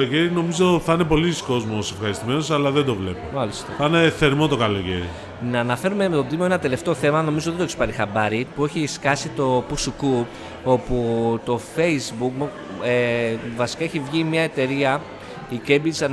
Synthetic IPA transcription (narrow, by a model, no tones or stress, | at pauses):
loceɾino̞mizo̞θɐne̞po̞lisko̞zmo̞se̞fxɐɾist̪ime̞no̞sɐlɐðend̪o̞vle̞pomɐlist̪ɐθɐneθe̞ɾmo̞t̪o̞kɐlo̞cḛɾḭ | nɐːnɐfe̞ɾume̞met̪o̞d̪imoenɐt̪e̞le̞ft̪e̞o̞θe̞mɐno̞mizo̞ðd̪oekspɐɾixɐbɐɾipue̞çiskɐsit̪o̞pusuku | o̞put̪o̞fe̞izbukm | evɐsi̥kɐeçivʝimɲɐe̞t̪e̞ɾiɐ | ike̞bisɐ